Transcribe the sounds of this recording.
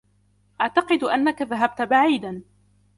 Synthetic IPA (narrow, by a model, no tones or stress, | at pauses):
ʔaʕt̪ɑqɨd̪ʔanːakaðaɦab̚t̪baʕiːd̪an